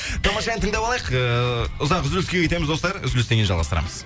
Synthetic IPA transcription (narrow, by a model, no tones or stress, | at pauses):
t̪ʰɑmɑʃɑɛnt̪ʰəŋd̪ɑbɑlˠɑjəqəʊzɑqʏzɪlɪskʲeet̪emɪzd̪o̞st̪ɑɾʏ̰zɪlɪse̞ɡenʒɑlˠʁɑ̰st̪əɾɑ̰məz̥